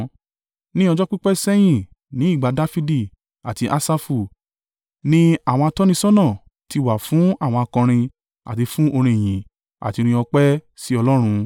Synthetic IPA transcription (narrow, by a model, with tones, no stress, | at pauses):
nĩ˦ɔ˧d͡ʒɔ˦k͡pi˦k͡pɛ˦sɛ˦j̃ĩ˨ | nĩ˨˦i˦˨ɡ͡ba˨˧da˦fi˦di˦˨ | a˨ti˧ʔa˦sa˦fu˧˨ | nĩ˦a˦˨w̃ɔ̃˧a˧tɔ˦nĩ˦sɔ̃˦nɔ̃˦˨ | ti˧wa˨fũ˨˦a˦˨w̃ɔ̃˧a˧kã˧ɾ̃ĩ˧ | a̰˨ti˧fũ˦ʔo˧ɾ̃ĩ˧e˨j̃ĩ˨ | a̰˨ti˧ɾ̃ĩ˧ɔ˧k͡pɛ˦ | si˦ɔ˧lɔ˦ɾ̃ũ˧